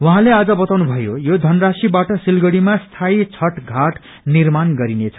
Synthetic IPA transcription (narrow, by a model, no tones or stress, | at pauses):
wuɦãlead͡zʌbʌt̪awnubʱʌjojod̪ʱʌnrasibaʈʌsilɡʌɽimast̪ʰait͡sʰʌʈɡʱaʈ | nirmanɡʌɾinet͡sʰʌ̥